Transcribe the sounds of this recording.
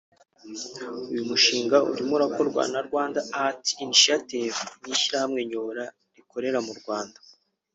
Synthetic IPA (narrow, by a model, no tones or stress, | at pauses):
ujumuʃiːŋɡaṵndimuɾako̞ɾɡwa̰naɾɡwaːndaːhati̥ːniʃatevniʃiɾahamŋe̞ɲoɾa | ɾikʰo̞ɾe̞ɾamuɾɡwaːndḁ